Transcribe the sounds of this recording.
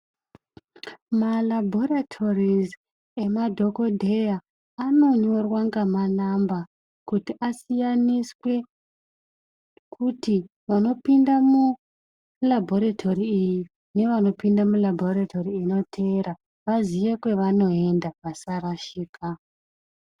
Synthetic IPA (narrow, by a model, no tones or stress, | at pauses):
malabʱo̞ɾatʰo̞riz | e̞madʱo̞ko̞dʱe̞jaː | no̞ɲo̞rwaŋɡamanamba | kutiʔasijaniswe̞ | kʰuti | ʋano̞pindamu | labʱo̞ɾatʰo̞riːji | ne̞ʋano̞pindamulabʱoɾatʰo̞riːno̞tʰe̞ɾa | ʋaziʋekweʋano̞e̞ndaʋasaɾaʃiːkʰa